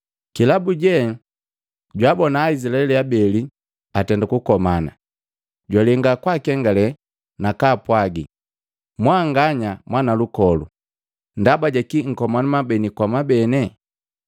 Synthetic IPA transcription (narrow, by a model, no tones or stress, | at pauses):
kilabuɟɛ | ɟwabɔnaːisilaɛliabɛli | atɛndakukɔmana | ɟwalɛŋɡakwakɛŋɡalɛ | nakapwaɡi | mwaŋɡaɲamwanalukɔlṵ | ndabaɟakiŋ̩kɔmanamabɛnikwamabɛnɛ